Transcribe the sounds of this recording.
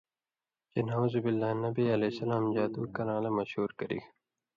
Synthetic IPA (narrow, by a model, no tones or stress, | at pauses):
d͡ʒenazubilːaːnɐbiɐlesɐlãːmd͡ʑaːd̪uːkɐɾãːlemɐɕhuːɾkɐɾḭɡ